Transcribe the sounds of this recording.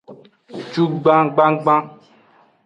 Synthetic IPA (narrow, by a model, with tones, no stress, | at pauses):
t͡ʃu˦ɡ͡bã˦ɡ͡bã˦ɡ͡bã˦